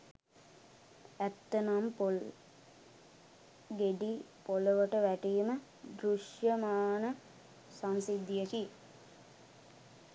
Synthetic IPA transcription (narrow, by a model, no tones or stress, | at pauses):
æt̪ːənampo | ɡeɖipoləʋəʈəʋæʈiːmə | d̪ɾuʂjəmaːnə | sansid̪ijəki